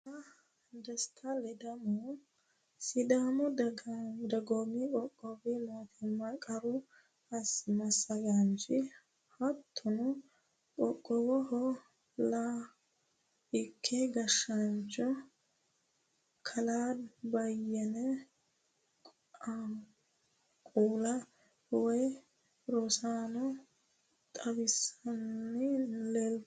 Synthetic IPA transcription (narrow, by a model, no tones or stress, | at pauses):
ɐ | d̪ɛst̪ʰɐlɪd̪ɐmɔ | sɪd̪aːmɔd̪ɡd̪ɐɡɔmikʼɔkʼːɔbɪmat̪ʰɪmːɐkʼɐɾʊ | ɐsmɐsɐɡɐnd͡ʒɪ | hɐt̪ʰːʊnʊ | kʼɔkʼːɔwɔhɔ | la | ɪkʰːɛɡɐʃːɐnt͡ʃːɔ | kʰɐlaːbɐjːɛnɛ | kʼuːlɐ | wɔj | ɾɔsaːnɔ | t̪ʼɐbɪsɐnːɪlɛl